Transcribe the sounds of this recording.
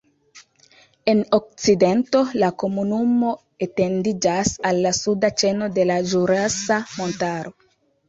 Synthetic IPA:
enok̚t͡sidento̞lakomunumo̞ | etendid͡ʒasalːasudat͡ʃenode̞lad͡ʒuɾasamontaɾo

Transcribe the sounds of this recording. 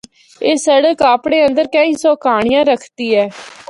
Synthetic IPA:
eːsəɽəkaːpɽeːənd̪əɾkə̃ːĩːsoːkaːɽ̃ijãːɾəkʰt̪iːɛː

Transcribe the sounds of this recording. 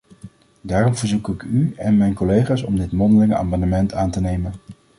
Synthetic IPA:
daːrɔmvəɹzukɪkyɛnmɛjnkolejχaːsɔmdɪtmɔndəlɪŋəʔa̰ːmɑnəmɛntʰaːntənejmən

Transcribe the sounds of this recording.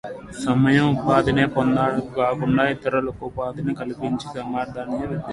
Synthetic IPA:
sɐmɐjɐmpaːd̪ɐneːpond̪aːɽkaːkuɳɖaːit̪ɐɾɐlɐkupaːd̪ɐnɐkɐlipiɲt͡ʃisɐmaːɾd̪ʱaːnɐjɐʋɐd̪ɐ

